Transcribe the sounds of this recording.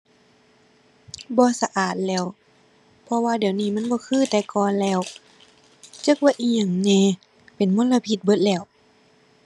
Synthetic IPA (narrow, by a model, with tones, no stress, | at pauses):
bɔː˧˦sa˧ʔaː˨˩t̪̚lɛː˧˩˨w | pʰɔ˧waː˧di˨˩ə˨wniː˧˩˨ma˧˥˨nbɔː˧˦kʰɯː˧˥˨t̪ɛː˨˧kɔː˧˨nlɛː˧˩˨w | t͡ɕɤ˧˦k̚waː˧ʔiː˧˩ɲa˨˩ŋnɛː˧˨ | pe˨˩nmo˧˥˨la˧pʰi˧˦t̪̚bɤ˧˦t̪̚lɛː˧˩˨w